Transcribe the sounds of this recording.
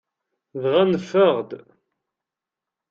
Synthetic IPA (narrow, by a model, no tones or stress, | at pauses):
ðʁænəfəʁd̪